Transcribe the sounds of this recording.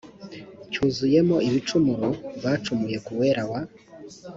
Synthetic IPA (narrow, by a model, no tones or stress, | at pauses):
cuːzuje̞mo̞iβit͡ʃumuɾoβaːt͡ʃumuje̞kuwe̞ɾawa